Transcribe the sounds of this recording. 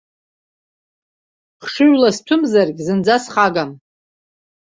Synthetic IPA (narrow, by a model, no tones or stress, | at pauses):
χʂɨʒʷlastʷʰʊmzarɡʲzɨnd͡zasχaɡam